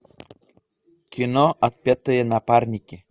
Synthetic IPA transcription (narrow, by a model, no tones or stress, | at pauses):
kinoat̪̚pʲat̪əjenapaɾnʲikʲe